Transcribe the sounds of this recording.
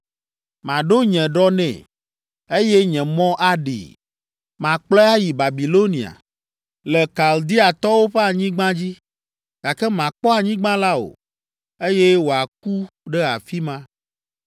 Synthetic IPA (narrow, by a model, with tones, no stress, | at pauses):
mã˨ɖo˦ɲɛ̃˨ɖɔ˦nɛ̰̃˨ | e˦jɛ˦ɲɛ̃˨mɔ̃˦ʔa˦ɖḭ˨ | mã˨k͡plɛ˦a˦ji˨ba˨bi˨lo˦nĩ˨a̰˨ | lɛ˨ka˨ld̪i˦a˨t̪ɔ˦wo˦ɸe˦a˨ɲĩ˦ɡ͡bã˦d͡ʑi˦ | ɡ̥a˨kɛ˦mã˨k͡pɔ˦a˨ɲĩ˦ɡ͡bã˦la˦o̰˨ | e˦jɛ˦wo˨a˨k̚u˦ɖɛ˦a̰˨fi˦mã˦